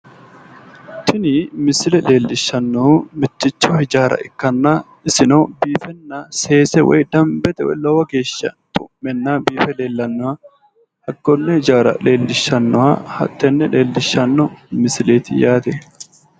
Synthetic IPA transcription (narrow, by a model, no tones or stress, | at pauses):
t̪ʰɪnɪmɪsɪlɛle̞ːlːɪʃːɐnːɔmɪt̪ːɪt͡ʃːɔhɪd͡ʒaːɾɐ̰ʔɪkːɐnːaː | ɪsɪnɐbiːfɛnːase̞ːsɛwɔ̰jd̪ɐmbɛt̪ɛwɔ̰jlɔwɐɡe̞ːʃːɐ̰t̪ʼʊ̰mːɛnːaːbiːfɛle̞ːlːɐnːɔwaː | hɐɡːɔnːɛhɪd͡ʒaːɾɐ̰le̞ːlːɪʃːɐnːɔwa̰ːhɐ̰t̪ːɛnːɛleːlːɪʃːɐnːɔmɪsleːt̪ɪjaːt̪ɛ